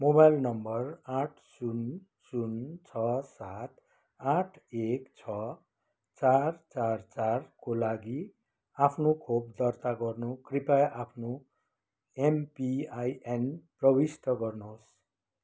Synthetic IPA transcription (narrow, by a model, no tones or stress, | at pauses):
mobajlnʌmbʌraʈʰsun | sunt͡sʰʌsat̪ | aʈʰekt͡sʰʌ | t͡sart͡sart͡sarkolaɡi | apʰnokʰobd̪ʌrt̪aɡʌrnukripajʔapʰno | empiajenprʌbist̪ʌɡʌrnos